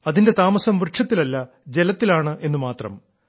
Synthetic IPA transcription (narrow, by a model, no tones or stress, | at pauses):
ɐðinde̞t̪aːmɐsɐmʋrɨʈʂʰɐt̪ːilɐlːɐ | d͡ʑe̞lɐt̪ːilaːɳɨʔe̞nːɨmaːt̪rɐ̰m